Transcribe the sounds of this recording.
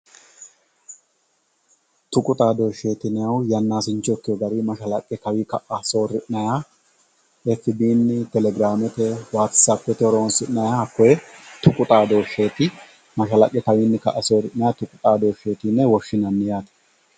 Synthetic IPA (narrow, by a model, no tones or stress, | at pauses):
t̪ʊkʼʊt̪ʼaːd̪o̞ːʃːe̞ːt̪ɪnɛjɐwjɐnːaːsɪnt͡ʃːɔkːɪjɔɡɐɾimɐʃɐlɐkʼːɛkɐwikɐʔɐso̞ːɾɪʔnɐjaː | ɛfːɪbiːnːɪt̪ɛlɛɡɾaːmɛt̪ɛwaːt̪saːpːɛt̪ɛɔɾoɔnsɪnnɐjaːɐkːɔjɛt̪ʊkʼʊt̪ʼaːd̪o̞ːʃːe̞ːt̪ɪ | mɐʃɐlɐkʼːɛkɐwɪnːɛkɐ̰ʔɐso̞ːɾɪnnɐjaːt̪ʊkʼʊt̪ʼaːd̪o̞ːʃːeːt̪ɪnːɛwɔʃːɪnɐnːɪjaːt̪ɐ̥